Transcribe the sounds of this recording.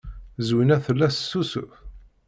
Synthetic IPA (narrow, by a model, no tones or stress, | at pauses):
zwinæθəlːæsːus